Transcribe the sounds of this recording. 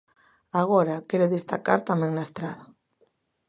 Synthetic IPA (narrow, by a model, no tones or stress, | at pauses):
aɣɔɾakɛɾeðest̪a̰ka̰ɾt̪amɛ̃ŋnaest̪ɾaða